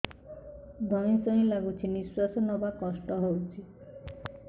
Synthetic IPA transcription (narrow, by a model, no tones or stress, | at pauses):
d̪ʱɔ̃ĩsɔĩlaɡut͡ʃʰiniswasɔnɔbakɔsʈɔɦowt͡ʃʰi